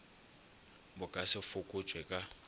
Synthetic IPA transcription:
bʊkʼasɪfʊkʼʊt͡ʃʼwɛkʼa

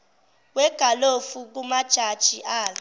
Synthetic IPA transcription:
wɛɡ̥ʱalofuk̬umad̥ʒ̥ʱad̥ʒ̥ʱiʔaːla

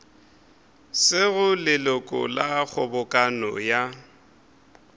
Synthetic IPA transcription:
sɪɣʊlɪlʊkʼɔ̰lak͡xʰɔbʊkʼanɔ̰ja

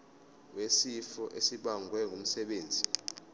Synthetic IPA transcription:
wesifɔʔesiɓaŋʱwɛŋʱum̩sɛɓeːnd͡zʱi

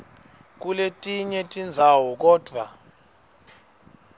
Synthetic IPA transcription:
k̬uletʼiɲɛtʼind͡zʱawɔk̬ɔːd̥ʱwa̰

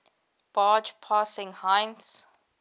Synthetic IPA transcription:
b̥aːd͡ʒpʰaːsɪ̃ŋhãɪnts

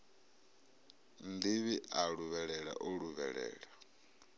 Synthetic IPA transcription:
nd̪iβiʔaɺuβɛɺɛɺa̰ʔɔɺuβɛ̰ɺɛ̰ːɺa

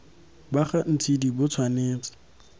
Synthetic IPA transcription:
baχan̩t͡sʰidibʊt͡sʰwaneːt͡sʼɔ̥

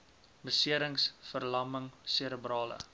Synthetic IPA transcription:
bəsiəɾəŋsfərlɐməŋseɾəbrɑːlə̰

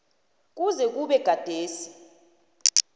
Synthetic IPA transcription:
k̬uzɛk̬uɓɛɡ̥ʱad̥ʱeːsi̥

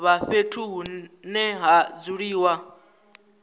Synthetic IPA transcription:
βaɸetʰuɦunɛɦad͡zuɺiːwa

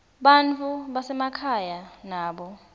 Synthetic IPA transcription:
ɓant͡fʰuɓasɛmakʰajanaːɓɔ

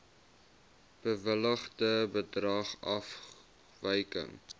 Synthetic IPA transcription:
b̥əvələχdəbədrɐχɐf | vəjkə̰ŋ

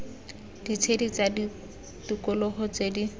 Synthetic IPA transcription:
d̥it͡sʰedit͡sadi | tukʊlɔɦɔt͡sedi

